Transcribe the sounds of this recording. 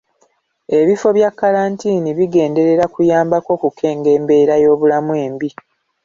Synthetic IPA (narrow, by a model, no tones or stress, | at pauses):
e̞βifo̞βjakːaɾaːntiːniβiɡe̞ːnde̞ɾe̞ɾakujaːmbako̞ːkukʰe̞ːŋɡe̞ːmbe̞ɾajo̞ːβulamuwe̞ːmbi